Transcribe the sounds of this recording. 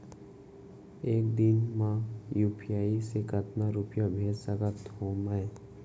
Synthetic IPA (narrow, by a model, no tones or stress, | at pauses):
eːk̚d̪ɪnmãjuːpʰijaːisekət̪naɾupjabʱeːd͡ʒsəkət̪ɦoːmae